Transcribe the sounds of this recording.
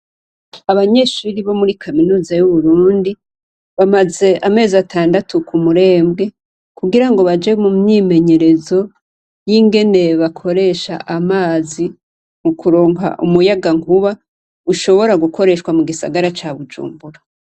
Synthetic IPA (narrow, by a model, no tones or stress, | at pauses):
aβaɲe̞ʃuɾiβo̞muɾikʰaminuːzajuβuɾuːndi | βamaze̞ʔame̞ːzatʰaːndatʰukumuɾe̞ːmbɡe̞ | kuɡiɾaŋɡo̞βad͡ʒemumɲime̞ɲe̞ɾe̞zo̞ | jiŋɡe̞ne̞βakʰo̞ɾe̞ʃa̰ʔamaːzi | mukuɾo̞ːŋɦa̰ʔumujaɡaŋkuβa | uʃo̞βo̞ɾaɡuko̞ɾe̞ʃwamuɡisa̰ɡaɾat͡ʃaβud͡ʒṵːmbuɾa